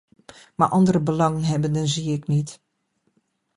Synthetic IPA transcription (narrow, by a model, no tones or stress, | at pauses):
ma̰ɹʔɑndərəbəlɑŋənɦɛbəndənziɪknit